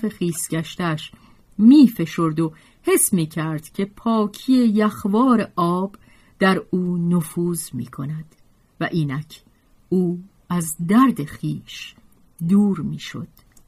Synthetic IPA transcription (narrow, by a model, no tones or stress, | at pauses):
fe̞χiːsɡæʃt̪æʃ | miːfe̞ʃo̞ɾd̪o | he̞smiːcʰæɾd̪̥cʰe̞pʰɒːcʰije̞jæχvɒːɾe̞ʔɒːb | d̪̥æɾuːnofuːzmḭːkʰo̞næd̪̥ | væʔiːnæcʰ | uː | æzd̪æɾd̪e̞xiːʃ | d̪uːɾmiːʃo̞̰d̪̥